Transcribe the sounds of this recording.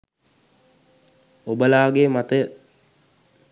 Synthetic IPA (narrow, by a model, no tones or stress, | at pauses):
obəlaːɡeːmat̪əjə